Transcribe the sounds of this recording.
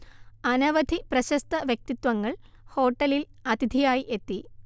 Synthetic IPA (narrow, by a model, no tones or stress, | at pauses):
ɐnɐʋɐd̪ʱiprɐɕɐst̪ɐʋjɐk̚t̪it̪wɐŋːɐɭ | ho̞ːʈːɐlilɐt̪id̪ʱijaːjiʔe̞t̪ːi